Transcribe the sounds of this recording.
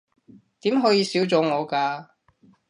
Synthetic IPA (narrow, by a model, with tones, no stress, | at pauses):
t̪iː˨˥mɦɔː˨˥jiː˧siː˨˥wt͡sɔː˨˧ŋɔː˨˧kaː˧